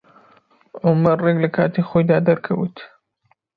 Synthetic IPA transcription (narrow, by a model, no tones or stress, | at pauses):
ʔʊmɐɾreɡlɐkʰaːt̪ixoːjd̪aːd̪ɐɾkʰɐwɨ̰t̪